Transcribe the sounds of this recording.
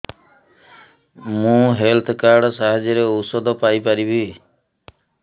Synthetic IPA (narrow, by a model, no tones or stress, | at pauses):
mũɦelt̪ʰkaɾɖɔsaɦad͡ʒjɔɾeosɔd̪ʱɔpajpaɾibi